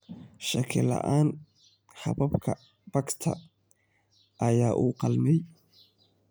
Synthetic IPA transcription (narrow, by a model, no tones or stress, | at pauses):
ʃɐkʰɪlɐ̰ʔaːn | hɐ̰βɐbkʰɐ | b̥ɐɡt̪ʰɐ̰ | ʔɐjaːʔuːqɑlmɛj